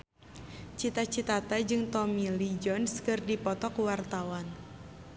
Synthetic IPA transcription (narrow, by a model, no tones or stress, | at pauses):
t͡ʃit̪at͡ʃit̪at̪ad͡ʒɨŋt̪ɔmilid͡ʒɔnskɨrdipɔt̪ɔkwart̪awan